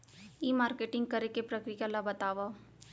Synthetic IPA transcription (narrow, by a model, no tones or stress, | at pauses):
iːmaːɾkeːʈɪ̃ŋɡ̚kɐɾekepɾəkɾikalabɐt̪aːʋa